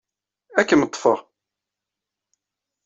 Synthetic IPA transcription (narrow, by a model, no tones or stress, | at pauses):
ækːənət̪ˤːfəʁ